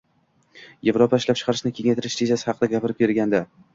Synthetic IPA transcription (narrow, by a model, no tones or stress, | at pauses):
je̞vɾopʰaɪʃlap̚t͡ʃʰqʰɑɾɪʃnɪkʲʰe̞ŋʲajt̪ʰɪɾɪʃt̪ʰezasɪ̥hɑqɨd̪aɡʲapɪɾɪp̚ʲeɾɡʲand̪a